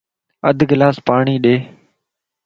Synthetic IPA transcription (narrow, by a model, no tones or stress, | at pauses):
əd̪ʱɡɪlaːspaːɳ̃iːɗeː